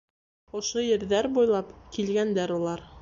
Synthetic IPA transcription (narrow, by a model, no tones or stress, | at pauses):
ŏʃojɘ̆ɾðæɾbujlˠɑpkilɡænd̪æɾulˠɑɾ